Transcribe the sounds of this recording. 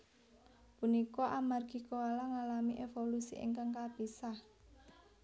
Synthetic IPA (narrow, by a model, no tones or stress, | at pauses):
punikɔʔamarɡi̤koalaŋalamiʔefolusḭʔḛŋkaŋkab̥isa